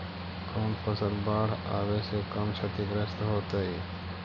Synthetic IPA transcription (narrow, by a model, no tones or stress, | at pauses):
kʰoːnpʰɐsəlbaːɽ̤aːʋeːsekɐmt͡ʃʰɐt̪ikɾɐst̪ɦoːt̪aiː